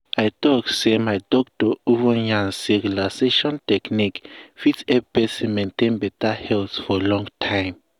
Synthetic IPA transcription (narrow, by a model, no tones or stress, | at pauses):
ajtɔksemajdɔk̚tɔuvɔjãnsikulaseʃɔ̃ntɛknikfitsɛbɛsimẽntẽnbɛtahɛlθfɔlɔ̃ŋtʰãj̃m